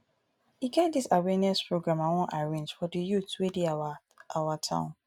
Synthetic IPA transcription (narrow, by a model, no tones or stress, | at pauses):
hiɡɛt̚disawɛnɛspɹoɡɹãmãwɔ̃nʔaɹẽnd͡ʒfɔdəjutwedi | awatʰã̰ʊ̃n